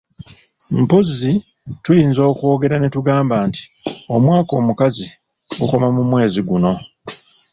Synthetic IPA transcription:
m̩pozi | tujiːnzo̞ːko̞ːɡe̞ɾane̞tuɡaːmbaːnti̥o̞mwaːko̞ːmukazi | ɡuko̞mamumwe̞ːziɡuno̞

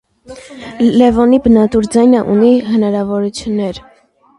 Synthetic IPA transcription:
lɛvɔnibənɑt̪uɾd͡zɑjnəʔṵniɦənɑɾɑvɔɾut͡sʰjunːɛɾ

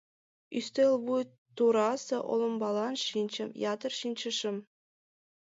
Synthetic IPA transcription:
yst̪elʲˠbuj | t̪uɾɑsɤʔo̰lˠŏmbɑlˠɑnʃinʲt͡ɕɘ̆mjɑt̪ɤ̆rʃinʲt͡ɕɘ̆ʂɘ̆m

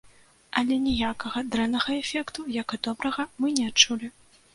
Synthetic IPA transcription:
ʔɐlʲɛnʲɛjakɐɣɐd̪ɾɛnːɐɣɐɛfʲɛkt̪ujakɨd̪ɔbɾɐɣɐmɨnʲɛatt͡ʂulʲi

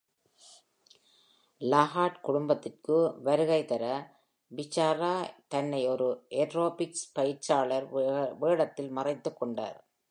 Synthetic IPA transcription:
laːɣaːʈkʊɽʊmbɐt̪ːɪrkɯʋɐɾɯɣɐɪt̪ɐɾɐ | bɪt͡ʃːaːɾaːt̪ɐnːɐɪɔɾɯʔeʈroːpɪkspɐjɪɾt͡ʃaːɭɐɾʋeːɽɐt̪ːɪlmɐrɐɪt̪ːɯkːɔɳɖa̰ːɾ

